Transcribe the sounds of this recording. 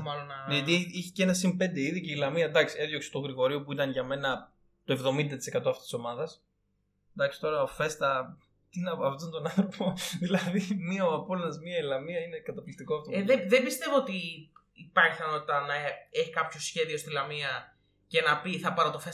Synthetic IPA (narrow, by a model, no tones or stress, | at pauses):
mɐlonɐnet̪iiçi̥cenɐsimpe̞nd̪e̞iðioceilɐmiɐd̪ɐksieðjo̞kse̥t̪o̞ɣɾiɣo̞ɾiopuit̪ɐnʝɐme̞nɐ | t̪oe̞vðo̞mind̪ɐt̪ise̞kɐt̪oɐft̪isiso̞mɐðɐs | d̪ɐksi̥t̪o̞ɾɐofe̞st̪ɐ | t̪inɐɐvt̪unt̪o̞nɐnθɾo̞poðilɐðimiɐoɐpolɐzmiɐilɐmiɐine̞kɐt̪ɐplist̪ikotoeðembist̪e̞voot̪iː | pɐɾçiθɐno̞t̪it̪ɐnɐeçi̥kɐpçosçe̞ðio̞st̪ilɐmiɐ | ce̞nɐpiθɐpɐɾɐt̪ofe